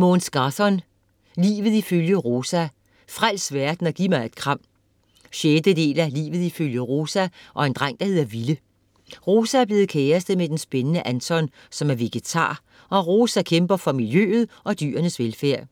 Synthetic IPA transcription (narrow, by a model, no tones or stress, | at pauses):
moːnsɡ̥ɑ̈θɒn | lḭːʋð̞̩ˠiføljəʁo̝ːsæ | fʁal̰sʋæɐd̥n̩ɒ̽ɡ̥imɑ̈ɪe̝d̥kʰʁɑ̈m̰ | ɕed̥əd̥e̝̰ːlælḭːʋð̞̩ˠiføljəʁo̝ːsæʔɒ̽e̝nd̥ʁɑ̈ŋ̰d̥ɑ̈he̝ð̰ˠɐʋilə | ʁo̝ːsææɐb̥le̝ːð̞̩ˠkʰeːɐsd̥əmed̥ensb̥enənəʔænsʰɒn | sɒ̽mæɐʋe̝ɡ̥et͡sʰɑ̰̈ː | ɒ̽ʁo̝ːsækʰemb̥ɐfɒ̽miljø̰ð̞̩ˠʔɒ̽d̥y̰ːɐnəsʋelfæɐ̰